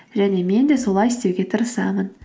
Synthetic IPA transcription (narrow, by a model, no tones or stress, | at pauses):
ʒæne̞me̞nd̪e̞so̞lˠɑjɪst̪ewɡʲe̞t̪ʰəɾəsɑmən